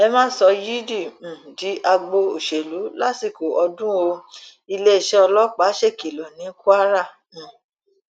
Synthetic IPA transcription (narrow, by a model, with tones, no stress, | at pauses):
ɛ˧mã˦sɔ˧ji˦dĩ˦˨di˨˦ʔa˧ɡ͡bo˧o˨ʃe˨lu˨˦la˦ti˦˨ko˨ʔɔ˧dũ˦o˧ | i˧le˦i˨ʃɛ˦ɔ˧lɔ˦k͡pa˨˦ʃe˦˨ki˨lɔ˨nĩ˨˦ku˦a˦ɾã˦˨